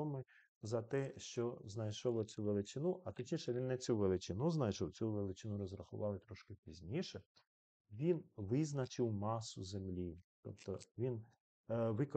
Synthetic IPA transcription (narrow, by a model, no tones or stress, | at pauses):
ɔmɪ | zɐt̪ɛʃt͡ʃɔznɐjʃɔlˠɔt͡sʲuʋelˠɪt͡ʃɪnuʔɐt̪ɔt͡ʃʲɲʲiʃɛʋʲinːɛt͡sʲuʋelˠɪt͡ʃɪnuznɐjʃɔwt͡sʲuʋelˠɪt͡ʃɪnuɾɔzrɐxʊ̰ʋɑlˠɪt̪ɾɔʃkɪpʲizʲnʲiʃɛ | ʋʲinʋɪznɐt͡ʃɪwmɑsʊzemlʲit̪ɔ̰pt̪ɔʋʲin | ʋɪk